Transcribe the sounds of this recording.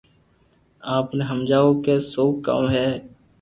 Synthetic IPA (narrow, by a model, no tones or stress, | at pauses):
aːpneːɦəmd͡ʒaːoːkeːsoːka̰ːmɦɛː